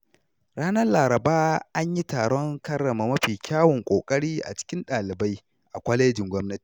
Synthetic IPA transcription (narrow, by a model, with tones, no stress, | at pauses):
ɽaː˦nɐ˦laː˨ɾɐ˨baː˦ʔa˦ɲji˦taː˨ɽɔ˦ŋkɐ˦rːɐ˨ma˨mɐ˦ɸiː˨kʲaː˦wɔ˨ŋkʷʼoː˨kʼɐ˦ɽiː˦ʔa̰˨t͡ʃɪ̥˦kʲɪ˦nɗaː˨lɪ˨ba˦j | ʔa˨kʷɐ˦leː˦d͡ʒɪ˨ŋɡʷɔ˦mnɐ˦ti̥ː˨